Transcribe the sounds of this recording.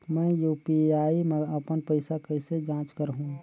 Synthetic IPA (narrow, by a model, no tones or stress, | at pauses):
mə̃juːpiaːiməəpənpəɪsakəɪsed͡ʒãːt͡ʃkəɾɦũ